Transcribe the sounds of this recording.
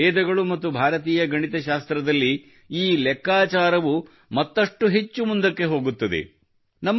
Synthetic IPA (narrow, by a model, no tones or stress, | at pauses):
ɛːd̪ɐɡɐɭumɐt̪ːubʱaːɾɐt̪̬iːjɐɡɐɳit̪ɐʃaːst̪ɾɐd̪ɐlːi | iːlɛkːaːt͡ʃaːɾɐʋu | mɐt̪ːɐʂʈuɦe̞t͡ʃːumund̪ɐkːe̞ɦo̞ːɡut̪ːɐd̪e̞̰ | nɐmː